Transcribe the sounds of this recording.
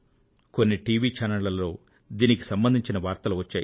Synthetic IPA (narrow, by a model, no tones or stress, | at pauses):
ko̞nːiʈiːʋiːt͡ʃaːnɐlːɐlːo̞ː | d̪iːniki̥sɐmbɐnd̪ʱiɲt͡ʃinɐʋaːɾt̪ɐluʋɐt͡ʃːaːj